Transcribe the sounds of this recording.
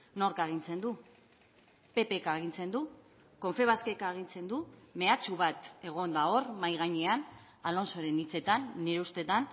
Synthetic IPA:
no̞ɾkaeɣ̞int͡se̞nd̪u | pe̞pe̞kaːɣ̞int͡se̞nd̪u | ko̞ɱfe̞β̞aske̞kaːɣ̞int͡se̞nd̪ume̞at͡suβat̪e̞ɣ̞o̞nd̪ao̞rmajɣ̞aɲean | alo̞nso̞ɾe̞nit͡se̞t̪anːeɾeust̪e̞t̪an

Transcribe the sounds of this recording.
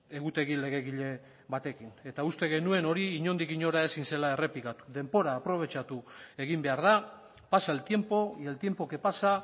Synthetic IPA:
e̞ɣut̪e̞ɣile̞ɣ̞e̞ɣiʎe̞ | βat̪e̞kine̞t̪aust̪e̞ɣe̞nue̞no̞ɾiiːɲo̞nd̪ikiɲo̞ɾae̞sinse̞lae̞re̞pikat̪u̥ðe̞mbo̞ɾaːpɾo̞β̞e̞t͡ʃat̪ue̞ɣ̞imbe̞aɾða | pasaelt̪je̞mpo̞elt̪je̞mpo̞ke̞pasa

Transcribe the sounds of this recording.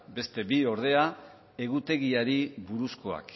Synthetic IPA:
be̞st̪e̞bio̞ɾð̞e̞a | e̞ɣut̪e̞ɣiaɾiβuɾusko̞a̰k

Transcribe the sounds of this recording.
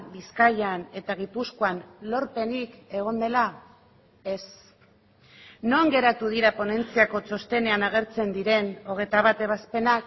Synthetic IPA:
biskajane̞t̪aɣ̞ipuskoanlo̞ɾpe̞nike̞ɣ̞o̞nd̪e̞la | e̞s | no̞ŋɡe̞ɾat̪uð̞iɾapo̞ne̞nt͡siako̞t͡so̞st̪e̞ne̞anaɣ̞e̞ɾt͡se̞nd̪iɾe̞no̞ɣ̞e̞jt̪aβ̞at̪e̞β̞aspe̞nak

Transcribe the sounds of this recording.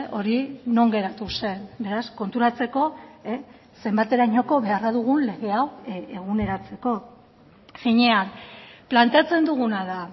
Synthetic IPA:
o̞ɾino̞ŋɡe̞ɾat̪use̞nbe̞ɾasko̞nt̪uɾat͡se̞ko̞e | se̞mbat̪e̞ɾaɲo̞ko̞βe̞araðuɣ̞unle̞ɣe̞aweɣ̞une̞ɾat͡se̞ko̞ | siɲe̞anplant̪e̞at͡se̞nd̪uɣ̞unaða

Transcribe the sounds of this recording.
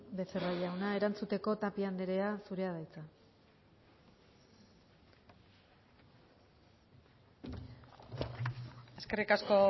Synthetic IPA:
be̞seraʎawnae̞ɾant͡sut̪e̞ko̞t̪apiand̪e̞ɾe̞asuɾe̞að̞ajt͡sa | e̞ske̞rikasko̞

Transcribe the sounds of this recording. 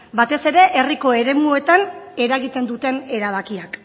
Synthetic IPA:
bat̪e̞se̞ɾe̞ʔeriko̞e̞ɾe̞mue̞t̪ane̞ɾaɣit̪e̞nd̪ut̪e̞ne̞ɾaβ̞akiak

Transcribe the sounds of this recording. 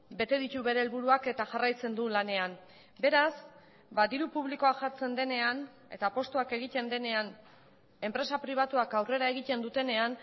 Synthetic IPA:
be̞t̪e̞ðic̪uβe̞ɾe̞ːlβuɾuake̞t̪aʝarajt͡se̞nd̪ulane̞am | be̞ɾas | baðiɾupuβ̞liko̞aʝaɾt͡se̞nd̪e̞ne̞an | e̞̰t̪apo̞st̪uake̞ɣ̞it̪e̞nd̪e̞ne̞an | e̞mpɾe̞sapɾiβ̞at̪uakawre̞ɾae̞ɣit̪e̞nd̪ut̪e̞ne̞an

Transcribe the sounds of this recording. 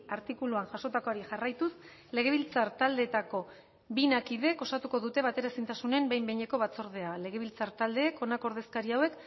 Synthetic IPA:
aɾt̪ikuluanʝaso̞t̪ako̞aɾiʝarajt̪us | le̞ɣ̞e̞βilt͡saɾt̪ald̪e̞t̪ako̞ | binakiðe̞ko̞st̪at̪uko̞ðut̪e̞β̞at̪e̞ɾasint̪asune̞mbe̞jmbeɲe̞ko̞βat͡so̞ɾð̞e̞ale̞ɣ̞e̞β̞ilt͡saɾt̪ald̪e̞ːko̞nako̞ɾð̞e̞skaɾiawe̞k

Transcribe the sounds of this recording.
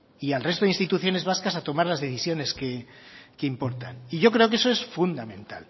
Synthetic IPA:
ialrest̪oðinst̪it̪uθjo̞ne̞zβaskasat̪o̞maɾlazðe̞θisjo̞ne̞ske̞keimpo̞ɾt̪a̰niʝo̞kɾe̞o̞k̬e̞so̞e̞sfund̪amẽ̞nt̪a̰l

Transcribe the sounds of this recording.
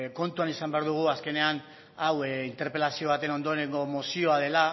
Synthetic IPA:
ko̞nt̪uanisambe̞aɾðuɣ̞uaske̞ne̞an | awint̪e̞ɾpe̞lasio̞β̞at̪e̞no̞nd̪o̞eɾeŋɡo̞mosio̞aðe̞la

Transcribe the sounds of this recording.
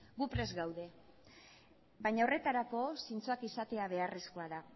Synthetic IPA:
ɡupɾe̞zɡawðe̞ | βajɲao̞re̞t̪aɾako̞sint͡soakisat̪e̞aβ̞e̞aresko̞aða

